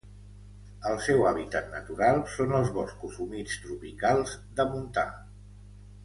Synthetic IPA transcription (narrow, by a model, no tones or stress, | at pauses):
əlˠsɛwaβ̞it̪at̪nət̪uɾalˠsonəlˠzβɔskuzumit͡st̪ɾupikalˠzd̪əmunt̪a̰